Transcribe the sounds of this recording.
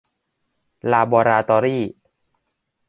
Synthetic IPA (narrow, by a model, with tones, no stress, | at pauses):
laː˧bɔː˧ɾaː˧t̪ɔː˧ɾiː˥˩